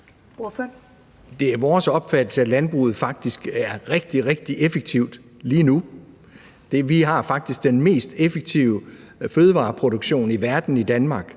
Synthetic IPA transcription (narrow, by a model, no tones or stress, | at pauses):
fø | d̥e̝æɐʋɒːsɒ̽b̥fæd̥l̩səælænb̥ʁṵːð̞̩ˠfɑ̈ɡ̥̚d̥isɡ̥æɐʁeɡ̥̚d̥iʁeɡ̥̚d̥iʔefəɡ̥̚t͡sʰiʊd̥ | liːnu | d̥e̝ʋiɦɑ̈fɑ̈ɡ̥̚d̥isɡ̥d̥enme̝̰ːsd̥efəɡ̥̚t͡sʰiʊəføːð̞ˠəʋɑ̰̈ːpʰʁo̝ɾ̥o̝ɡ̥ɕo̝̰ːniʋæɐd̥n̩id̥ænmɑ̈ːɡ̥